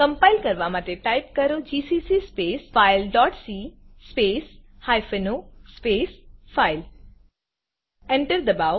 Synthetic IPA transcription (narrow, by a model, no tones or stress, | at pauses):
kɐ̃mpaɪlkɐɾʋamat̪eʈaɪp̚kɐɾod͡ʑiːsiːsiːspeːsfaɪlɖɔːʈsispeːshajfenospeːsfaːɪl | ɛ̃ɳʈəɾd̪əba